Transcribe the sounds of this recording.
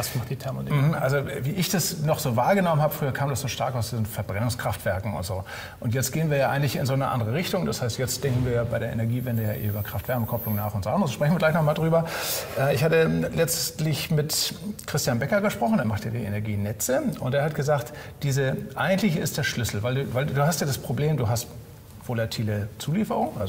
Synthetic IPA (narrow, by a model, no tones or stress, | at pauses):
asmaχtd̥iːtʰɛɐmonm̩ʔa̰lzoviːʔɪçd̥asnɔχz̥oːvaːɐɡənɔmənɦhaːbəfʁ̥yːɐkʰaːmdasz̥oːʃtaɐkaʊsd̥iːzn̩fɛɐbʁɛnʊŋskʁ̥aftv̥ɛɐkŋ̩ʊ̰ntz̥oː | ʔʊntjɛt͡stɡ̥eːənviːɐjaːʔaɪɡŋ̩tlɪçɪnzoːnəʔa̰ndəʁ̞əʁɪçtʊŋd̥ashaɪstjɛt͡std̥ɛŋkŋ̩viːɐjaːbaɪɾeːɐʔḛnɛɐɡiːvɛndəja̰ːʔḛːʔyːbɐkʁ̥aftv̥ɛɐməkʰɔplʊŋnaːχʊntz̥oʔandʁəsʃpʁɛçnviːɐɡlaɪçnɔχmaːldʁyːbɐʔɛɪçhaːtəlɛt͡stlɪçmɪtkʁ̥ɪstjanbɛkɐɡəʃpʁ̥ɔχn̩deːɐmaχtjaːdḭːʔḛnɛɐɡiːnɛt͡səʊnteːɐhatɡ̥əzaːkt | d̥iːzəʔaɪɡŋ̩tlɪçɪst̚d̥eːɐʃlʏsl̩vaɪlduːvaɪlduːɦastjaːdaspʁ̥obleːmduːɦast | v̥olatʰiːlət͡suːliːfəʁʊŋʔa̰lzo